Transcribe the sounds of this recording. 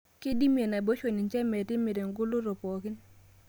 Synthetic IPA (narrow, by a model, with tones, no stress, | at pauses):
ke˦di˦mje˨na˨bo˦ʃo˨ni˨nt͡ʃɛ˦mɛ˨tɪ˦mɪ˨ɾe˨ŋɡʊ˦lo˦ɾo˨po˨ki˦n